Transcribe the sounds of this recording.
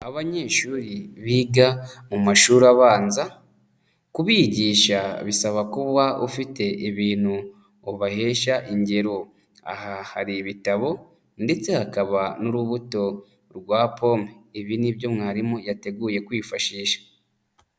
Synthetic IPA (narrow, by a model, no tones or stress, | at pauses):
aβaɲe̞ːʃuːɾiβiɡamumaʃuːɾaβaːnza | kuβiɟiːʃaβisaβakuβwaufite̞ʔiβiːn̥hu | oβahe̞ːʃaʔiɲɟe̞ɾo̞ | a̰hahaɾiβitaβo̞ | nde̞t͡se̞hakaβanuɾuβuto̞ | ɾɡwaːpʰo̞ːmeiβinibjo̞mŋaːɾimojate̞ɡuje̞kwiːfaʃiːʃḁ